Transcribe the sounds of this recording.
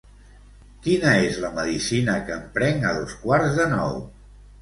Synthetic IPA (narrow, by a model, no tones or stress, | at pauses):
kinəezləməðisinəkəmpɾɛŋəðoskwaɾzðənɔ̰w